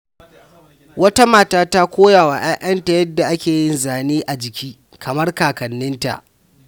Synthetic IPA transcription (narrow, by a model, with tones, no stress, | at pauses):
wɐ˦ta˦maː˨taː˦ta˦kʷoː˦jaː˨wa˨ʔaː˦ʔɐ˦nta˨jɐ˦dːa˨ʔa˦kʲeː˨jɪ˦nzaː˨niː˦ʔa˨d͡ʒɪ˨kʲʰiː˦ | kʰɐ˨mɐ˦rkaː˨kɐ˨nːɪ˦nta̰˨ʔ